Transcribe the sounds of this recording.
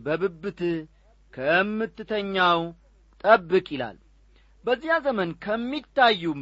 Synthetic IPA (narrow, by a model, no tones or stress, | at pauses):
bəbɨbːɨt̪ʰɨ | kʰəmːɨt̪ːɨt̪ʰəɲːaw | t̪ʼəbːɨkʼɪla̰l | bəzːijazəmənkʰəmːit̪ʰːajːu